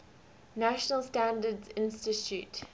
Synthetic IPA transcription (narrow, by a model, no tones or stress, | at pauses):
næʃənəlˠstæ̃ndədzɪ̃nstɪtʰʉt